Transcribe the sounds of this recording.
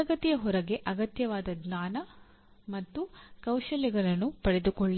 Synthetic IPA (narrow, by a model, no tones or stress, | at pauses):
ɐɡɐt̪ijɐɦɔɾɐɡe̞ʔɐɡɐt̪jɐʋaːd̪ɐɡnaːnɐ | mɐt̪ːukɐwʃɐliɡɐɾɐnːupɐɽe̞d̪ukoɭːi